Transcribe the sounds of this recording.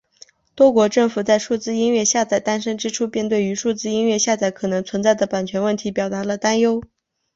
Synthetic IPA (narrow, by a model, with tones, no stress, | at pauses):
t̪wɔ˥kwɔ˧˥ʈ͡ʂɤ˥˩ŋfu˨˩t͡sa˥˧ɪʂu˥˩t͡sɹ̩˥i˥nɥɛ˥˧ɕja˥˩t͡sa˥˩ɪt̪a˥nʂɤ˥ŋʈ͡ʂɻ̩˥ʈ͡ʂʰu˥pjɛ˥˧nt̪we˥˩ɪy˧˥ʂu˥˧t͡sɹ̩˥i˥nɥɛ˥˧ɕja˥˧t͡sa˥˩ɪkʰɤ˨˩nɤ˧˥ŋt͡sʰwə˧˥nt͡sa˥˩ɪd̪ə˩pa˨˩nt͡ɕʰɥɛ˧˥nwə˥˩nt̪ʰi˧˥pjɑ˨˩ʊt̪a˧˥lə˧t̪a˥njo˥ʊ